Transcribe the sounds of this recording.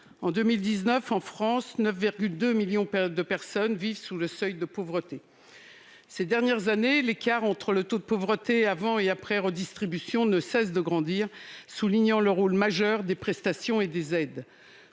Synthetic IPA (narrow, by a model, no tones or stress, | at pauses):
ɑ̃d̪ømild̪iznœfɑ̃fχɑ̃snœfviʁɡʲyld̪ømiljɔ̃d̪əpɛʁsɔnvivsuləsœjd̪əpovʁət̪e | sed̪ɛʁnjɛʁzanelekʲaʁɑ̃t̪χələt̪od̪̚əpovʁət̪eavɑ̃eapχɛʁəd̪ist̪χibysjɔ̃nəsɛs̬d̪əɡʁɑ̃d̪iʁsuliɲɑ̃ləʁolmaʒœʁd̪epχɛst̪asjɔ̃ed̪ezɛd̪